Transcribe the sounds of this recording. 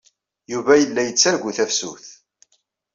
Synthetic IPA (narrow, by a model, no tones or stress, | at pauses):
juvæjəlːæjət͡sːæɾɡʷuθæfsṵθ